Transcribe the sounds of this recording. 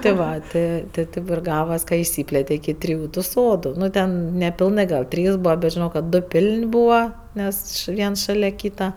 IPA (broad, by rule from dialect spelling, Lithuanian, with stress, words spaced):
tʲeː ˈʋɐ ˈtʲeː tʲeː ˈtʲeːp ɪr ˈɡɑːʋɐs kɐ ɪʃʲˈsʲiːpʲlʲeːtʲɛ ɪkʲɪ ˈtʲrʲɪjʊ tʊ ˈsoːdʊ ˈnʊ ˈtʲɛn nʲɛpʲɪlˠˈnɜ ɡɐlˠ ˈtʲrʲiːs ˈbuːʋɐ bʲɛt ʒʲɪˈnɐʊ kɐt ˈdoː ˈpʲɪlʲnʲ ˈbuːʋɐ ˈnʲɛs ʃ ˈʋʲiɛnsˈʃɑːlʲɛ ˈkʲiːtɐ